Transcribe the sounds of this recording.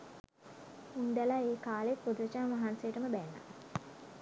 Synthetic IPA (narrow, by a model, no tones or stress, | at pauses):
und̪alaeːkaːlet̪̚pod̪uʋət͡ʃanʋaɦansejəʈəməbænːa̰